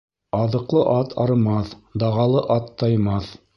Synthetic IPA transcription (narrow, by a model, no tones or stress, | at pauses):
ɑðɤ̆qlˠɤʔɑt̪ʰɑ̰ɾɤ̆mɑθd̪ɑʁɑlˠɤʔɑt̪ːɑjmɑθ